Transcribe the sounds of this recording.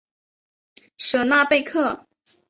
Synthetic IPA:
ʂɤ˨˩na˥˧pe˥˧ɪkʰɤ˥˩

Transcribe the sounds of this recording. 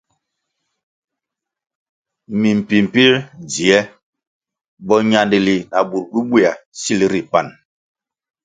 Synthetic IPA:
mi˨m̩˨pi˨m̩˨pi˦ɾd͡zi˨ɛ˦ | bɔ˦ɲa˦ndi˨li˨na˨bu˨ɾɡi˦bi˦˨a˨si˦li˦ɾi˨pa˦˨n

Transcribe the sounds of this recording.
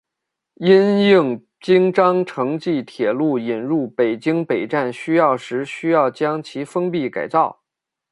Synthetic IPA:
i˥nji˥˩ŋ | t͡ɕi˥ŋʈ͡ʂɑ˥ŋʈ͡ʂʰɤ˧˥ŋt͡ɕi˥˩t̪ʰjɛ˨˩lu˥˩i˨˩nɻu˥˩pe˨˩ɪt͡ɕi˥ŋpe˨˩ɪʈ͡ʂa˥˩nɕy˥jɑ˥˩ʊʂɻ̩˧˥ɕy˥jɑ˥˩ʊt͡ɕjɑ˥ŋt͡ɕʰi˧˥fə˥ŋp̬i˥˩ka˨˩ɪt͡sɑ˥˩ʊ

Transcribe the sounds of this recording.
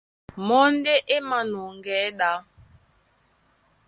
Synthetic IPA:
mɔ˦n˦de˦ʔe˦ma˨nɔ˨ŋ˨ɡɛ˨˦ɗa˨˦

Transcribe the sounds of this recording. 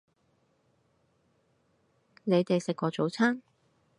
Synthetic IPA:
ne˨˧jt̪e˨jsɪ˨kʷːɔː˧t͡so˨˥wt͡sʰaː˥n

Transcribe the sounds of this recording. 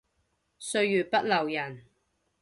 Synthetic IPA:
sɵ˧ɥjyː˨˩pɐ˥t̚lɐ˨˩wjɐ˨˩n

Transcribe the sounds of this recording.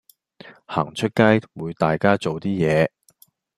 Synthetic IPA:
haː˨˩ŋt͡ʃʰɵ˥t̚kaː˥jwuː˨˧jt̪aː˨jkaː˥t͡so˨wt̪iː˥jɛː˨˧

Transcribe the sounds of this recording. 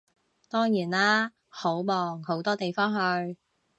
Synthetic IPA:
t̪ɔː˥ŋjiː˨˩nlaː˥ | ho˨˥wmɔː˨ŋho˨˥wt̪ɔː˥t̪e˨jfɔː˥ŋɦɵ˧ɥ

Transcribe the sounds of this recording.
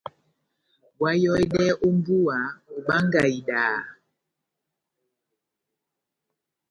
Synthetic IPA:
bwa˦jɔ˦jɗɛ˦ʔo˦m˦bu˦a˨o˨ɓa˦ŋɡa˨i˨ɗaː˨

